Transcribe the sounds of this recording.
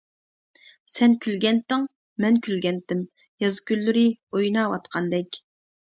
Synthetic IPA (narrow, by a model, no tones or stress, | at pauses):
sɛnkʲʰylɡʲɛnt̪ɪŋ | mɛnkʲʰylɡʲɛnt̪ɪm | jɑzɨ̥kʲylːyɾɪojnɑwɑt̪qʰɑnd̪ɛkʲ